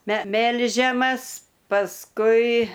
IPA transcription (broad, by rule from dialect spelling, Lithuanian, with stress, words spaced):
mʲɛ ˈmʲɛlʲʒʲɛmɐs pɐsˈkʊɪ